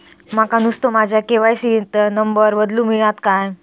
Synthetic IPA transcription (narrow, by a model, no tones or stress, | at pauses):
makanust̪omad͡ʑʱjakeʋajsit̪ənəmbəɾbəd̪lũːmiɭat̪kaj